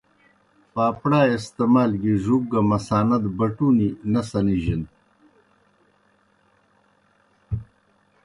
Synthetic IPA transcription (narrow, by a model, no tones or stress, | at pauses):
paːpɽaːest̪emaːlɡiʐuk̚ɡɐmɐsaːnɐd̪bɐʈuːninɐsɐniʑin